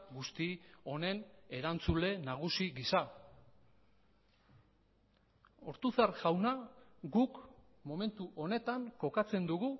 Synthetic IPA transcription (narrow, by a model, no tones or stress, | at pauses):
ɡust̪io̞ne̞ne̞ɾant͡sule̞naɣ̞usiɣisa | o̞̰ɾt̪uθarʝawnaɡuk | mo̞me̞nt̪uʔo̞ne̞t̪aŋko̞kat͡se̞nd̪uɣu